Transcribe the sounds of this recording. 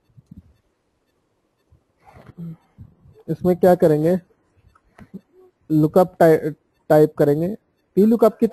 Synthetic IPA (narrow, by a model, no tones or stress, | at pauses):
ɪsmẽkjaːkɐɾẽːŋɡeː | lʊkəpʈ | ʈaːɪp̚kɐɾẽːŋɡeː | piːlʊkəp̚ki